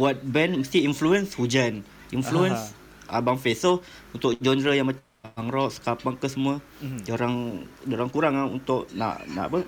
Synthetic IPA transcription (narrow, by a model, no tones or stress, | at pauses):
wat̪̚bɛnməst̪iinfluənshud͡ʒan | influəns | ʔabaŋfesəl | unt̪ʊkd͡ʒɔnd̪ɾəjaŋmat͡ʃ | aŋɾɔʔsə̥kapaŋkəsəmuə | d͡ʒoɾaŋd͡ʒoɾaŋkuɾaŋaṵnt̪ʊʔna̰ʔna̰ʔapə